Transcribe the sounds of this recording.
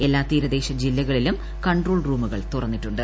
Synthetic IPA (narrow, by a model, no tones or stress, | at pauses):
e̞lːaːt̪iːɾɐd̪e̞ːɕɐd͡ʑilːɐɣɐɭilum | kɐɳɖroːɭruːmuɣɐɭt̪urɐnːiʈːuɳɖɨ